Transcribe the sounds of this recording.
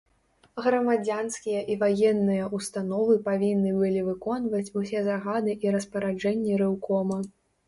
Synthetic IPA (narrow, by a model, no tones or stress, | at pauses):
ɣɾɐmad͡zʲanskʲijɐʔivajɛnːɨjɐʔust̪anɔvɨpavʲinːɨbɨlʲivɨkɔnvɐt͡sʲusʲɛzaɣad̪ɨʔiɾɐspɐɾad͡ʐɛnʲːiɾɨwkɔmɐ